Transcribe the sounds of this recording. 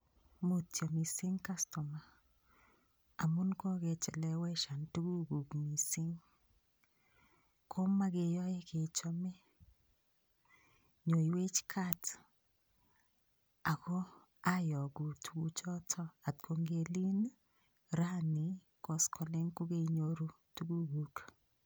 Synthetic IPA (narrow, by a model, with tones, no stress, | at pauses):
mo˨tjɔ˨mi˨sɪ˦ŋka˦stɔ˨ma˨ | a˨mu˦nkɔ˦ɡe˨t͡ʃɛ˨lɛ˨wɛ˦ʃa˨ntu˦ɡu˦ɡu˨ɡmi˨sɪ˦ŋ | kʰo˦ma˦ɡe˨jɔ˦ɛ˦ke˨t͡ʃɔ˦mɛ˦ | ɲo˨i˨we˦t͡ʃkʰa˦t | a˨kɔ˦ | a˦jɔ˨ɡu˨tu̥˨˦ɡu˦t͡ʃɔ˦tʰɔ˦a˨t̚kʰo˨ŋɡe˨li˦n | ɾa˦ni˨ | kɔ˨skʰɔ˨le˦ŋkʊ˦ɡe˦ɲo˦ɾu˦ | tu˦ɡu˦ɡu˨k